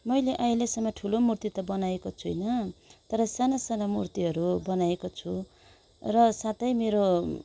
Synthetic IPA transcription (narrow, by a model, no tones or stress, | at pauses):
mʌjleʔʌjlesʌmːʌʈʰulomurt̪it̪ʌbʌnaekot͡sʰujnʌt̪ʌɾʌsanasanamṵrt̪iɦʌɾubʌnajekot͡sʰu | rʌsat̪ʌjmeɾo